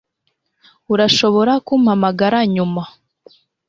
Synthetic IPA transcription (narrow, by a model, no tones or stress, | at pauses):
uɾaʃo̞βo̞ɾakuːmhamaɡaɾaɲuma